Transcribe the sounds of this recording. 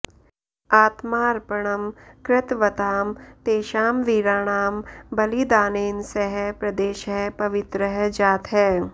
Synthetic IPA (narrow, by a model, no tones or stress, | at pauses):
aːt̪maːɾpɐɽ̃ɐmkɾɪt̪ʋɐt̪aːmt̪eːʃaːmʋiːɾaːɽ̃aːmbɐlid̪aːneːnsɐɦɛpɾɐd̪eːʃɦɛpɐʋɪt̪ɾəɦd͡ʒaːt̪ɦɛː